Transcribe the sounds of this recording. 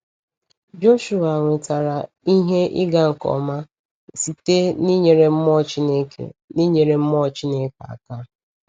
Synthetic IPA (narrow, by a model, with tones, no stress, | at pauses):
d͡ʒo˦ʃu˨a˨ŋʷe˨ta˨ɾa˨ | i˦ɦe˦ʔi˦ɡa˦ŋ̩˨kɔ̰˨ma˦ | si˨te˦ni˦ɲe˨ɾe˦m̩˦mɔ˦t͡ʃi˦ne˦kḛ˨ni˦ɲe˨ɾe˨m̩˦mɔ˦t͡ʃi˦ne˦ka̰˨ka˦